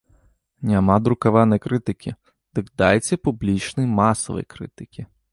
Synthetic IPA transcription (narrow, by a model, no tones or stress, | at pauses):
nʲamɑd̪ɾʊkɐʋɑnɐjkɾɪt̪ɪkʲʰi | d̪̥ɨkd̪ɑjt͡sʲːɐpʊblʲit͡ʃnɪjmɑsɔ̰ʋɔ̰jkɾɪ̰t̪ɪkʲi